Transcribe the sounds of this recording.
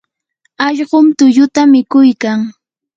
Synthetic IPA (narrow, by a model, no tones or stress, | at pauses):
ɑʎɢomt̪ʊʎʊt̪amɪkʊjkaŋ